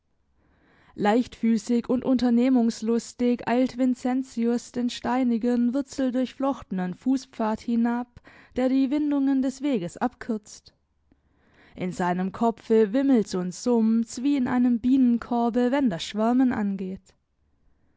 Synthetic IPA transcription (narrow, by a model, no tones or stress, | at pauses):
laɪçtfyːsɪçʊntʔʊntɐneːmʊŋslʊstɪçʔa̰ɪltv̥ɪnt͡sɛnt͡siʊsd̥eːnʃtaɪnɪɡənvʊɐt͡sl̩dʊɐçflɔxtən̩ənfuːspp͡faːɐthɪnapd̥eːɐdiːvɪndʊŋəndɛsv̥eːɡəsʔapkʰʏɐt͡st | ʔɪnzaɪnəmkʰɔp͡fəvɪml̩sʊntz̥ʊmt͡sv̥iːɪnʔa̰ɪnəmbiːnənkʰɔɐbəvɛndasʃv̥ɛɐmənʔa̰nɡeːt